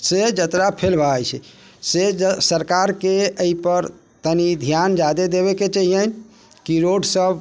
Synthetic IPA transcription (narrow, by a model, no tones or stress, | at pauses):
sed͡ʒət̪ɾapʰelbʱat͡ʃʰɛ̰ | sesəɾkaɾkeəipəɾ | t̪ənid̪ʱjand͡ʒad̪ed̪eβeket͡ʃəɦijən | kiɾoɖsəb